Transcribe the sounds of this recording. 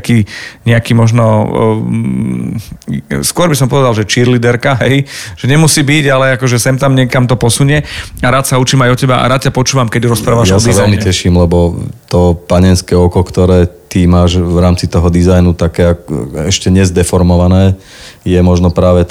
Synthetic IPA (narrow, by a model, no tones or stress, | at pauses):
kiːɲɛakiːmɔʒnɔ̰ | skʊɔɾbisɔmpɔʋɛd̪alʒɛt͡ʃiɾlid̪ɛɾkaɦɛjʒ̥ɛɲɛmusiːbiɟalɛakɔʒɛsɛmt̪amɲɛkamt̪ɔpɔsuɲɪɛaɾaːt̪saut͡ʃiːmajɔcɛbaʔa̰ɾaːt̪capɔt͡ʃuːʋamkɛɟɾɔspɾaːʋaʒjaɔd̪azʋɛlmicɛʃiːmlɛbɔt̪ɔpaɲɛnskɛːɔkɔkt̪ɔɾɛːt̪imaːʒʋɾaːmt͡sit̪ɔɦɔd̪izajnut̪akɛːakɛʃcɛɲɛzd̪ɛfɔɾmɔʋanɛː | jɛmɔʒnɔpɾaːʋɛ